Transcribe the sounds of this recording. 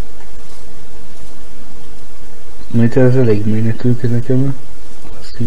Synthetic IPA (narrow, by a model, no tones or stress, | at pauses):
mɛt̪ɛzɛleɡmeːnɛt̪ylkinɛkɛm | si